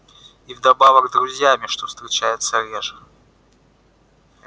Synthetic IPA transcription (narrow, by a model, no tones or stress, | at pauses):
ivd̪ɐbavəɣzd̪ɾʊzʲjamʲɪʂt̪ost̪ɾʲɪt͡ɕæjɪt̪səɾʲeʐə